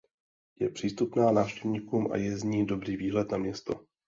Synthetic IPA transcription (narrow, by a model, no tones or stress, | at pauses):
jɛpr̥iːst̪upnaːnaːfʃcɛvɲiːkuːmʔa̰jɛzɲiːdo̞bɾiːviːɦlɛt̪namɲɛst̪o̞